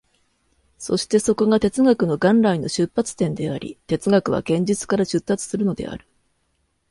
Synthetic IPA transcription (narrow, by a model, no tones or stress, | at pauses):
so̞̰ɕi̥t̪e̞so̞ko̞ɡat̪e̞t͡sɨɡakɯ̟no̞ɡãnɾaino̞ɕɨpːat͡sɨ̥t̪ẽ̞nd̪e̞aɾʲḭt̪e̞t͡sɨɡakɯ̟β̞a̰ɡ̥ẽ̞ɲ̟d͡ʑit͡sɨ̥kaɾaɕɨt̪ːat͡sɨ̥sɨɾɯ̟no̞d̪e̞̰a̰ɾɯ̟̥